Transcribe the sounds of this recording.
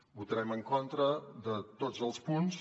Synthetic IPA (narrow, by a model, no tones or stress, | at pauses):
but̪əɾɛməŋkont̪ɾəðət̪od͡zəlˠspuns